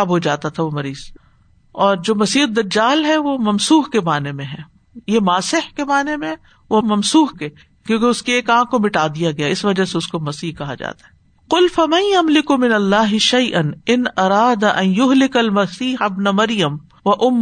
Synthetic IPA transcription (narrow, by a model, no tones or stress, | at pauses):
bɦod͡ʒaːt̪at̪ʰaʋomɐɾiːz̥ | ɔːɾd͡ʒoːmɐsiːd̪ɐd͡ʒaːlɦɛʋomɐmsuːɦkemaːnemẽɦɛː | jemaːsɪħkemaːnemẽɦɛ | ʋomɐmsuːhkeː | kjõːkeʊskieːkãːkomɪʈaːd̪ijaɡɐjaɪsʋɐd͡ʒaseʊskomɐsiːɦkɐɦa̰d͡ʒa̰ːt̪aɦɛː | qʊlfɐmɐ̃njɐmlɪkumɪnɐlːaːɦɪʃɐjʔɐnɪnɐɾaːd̪aʔɐ̃njʊɦlɪkɐlmɐsiːħabnɐmɐɾjəm | ʋɐʔʊmː